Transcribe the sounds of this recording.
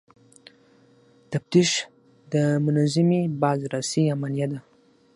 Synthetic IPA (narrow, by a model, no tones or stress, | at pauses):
t̪aft̪iʃ | d̪əmʊnazɪmebɑzɾasijamanjad̪a